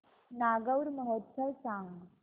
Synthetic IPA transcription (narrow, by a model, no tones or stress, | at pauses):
naɡəwɾməɦət̪səʋsaŋɡ